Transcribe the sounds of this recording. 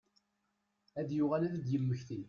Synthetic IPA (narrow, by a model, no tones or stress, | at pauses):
æðjʊʁælæðəd̪jəmːəçθi